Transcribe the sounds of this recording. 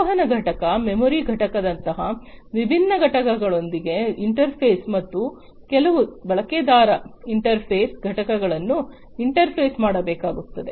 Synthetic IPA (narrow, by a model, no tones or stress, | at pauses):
ɐɦɐnɐɡʱɐʈɐkɐmemoɾiɡʱɐʈɐkɐd̪ɐnt̪ɐɦɐʋibʱinːɐɡʱɐʈɐkɐɡɐɭo̞nd̪iɡe̞iɳʈɐɾpʰeːsmɐt̪ːu | kɛlɐʋubɐɭɐked̪aːɾɐiɳʈɐɾpʰeːsɡʱɐʈɐkɐɡɐɭɐnːu | iɳʈɐɾpʰeːsmaːɽɐbɛːkaːɡut̪ːɐd̪e̞